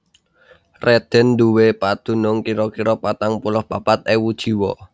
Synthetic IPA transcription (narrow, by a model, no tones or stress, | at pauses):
red̪̥ɛ̤nd̪uwepad̪̥ṳnʊŋkiɾɔkiɾɔpat̪aŋpulʊhb̥apat̪̚ewud̥ʒ̥i̤wɔ